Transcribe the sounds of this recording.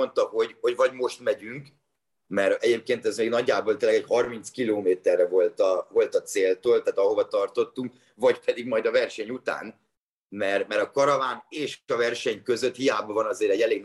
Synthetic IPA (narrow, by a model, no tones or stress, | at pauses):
ont̪ɒho̞ɟho̞ɟvɒɟmo̞ʃt̪mɛɟyŋk | mɛɾɛɟeːp̚keːnt̪ɛzmeːɡnɒɟːaːbolt̪eːlɛɡɛchɒrmint̪skiloːmeːt̪ɛrːɛvo̞lt̪ɒvo̞lt̪ɒt̪seːlt̪oːlt̪aːt̪ɒɦo̞vɒt̪ɒrt̪o̞t̪ːuŋk | vɒɟpɛd̪iɡmɒjd̪ɒvɛrʃɛɲut̪a̰ːn | mɛrmɛɾɒkɒɾɒvaːneːʃɒvɛrʃɛɲkø̞zøt̪hijaːbɒvɒnɒzeːɾɛɟːɛleːɡn